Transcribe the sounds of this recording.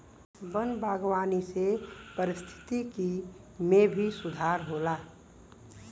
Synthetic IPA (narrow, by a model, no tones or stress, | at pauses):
bənbʱaːɡwaːnisepəɾɪst̪ʰɪ̥t̪iki | mẽbʱisʊd̪ʱaːɾɦoːlaː